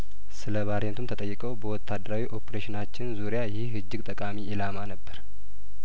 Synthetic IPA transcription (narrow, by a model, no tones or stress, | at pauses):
sɨləβaɾent̪ʰumt̪ʰət̪ʼəjːɪkʼəwbəwɔt̪ʰːad̪ːəɾawiʔo̞pʰeɾeʃɪnat͡ʃːɪnzuɾijajɪhhɨd͡ʒːɪɡt̪ʼəkʼamiʔɪlamanəbːəɾ